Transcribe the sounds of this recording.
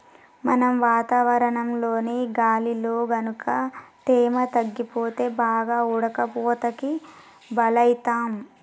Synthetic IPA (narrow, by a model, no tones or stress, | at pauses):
mɐnɐmʋaːt̪aːʋɐɾɐɳɐmlo̞ːneːɡaːliloːɡɐnukʰɐt̪ɛːmɐt̪ɐɡːipoːt̪e̞ːbaːɡaːuɽɐkɐpɔːt̪ɐki | bɐlɐjit̪aːm